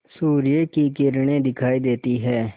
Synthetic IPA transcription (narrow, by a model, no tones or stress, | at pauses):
suːɾɪjekikɪɾɳ̃ẽd̪ɪkʰaːid̪eːt̪iɦɛː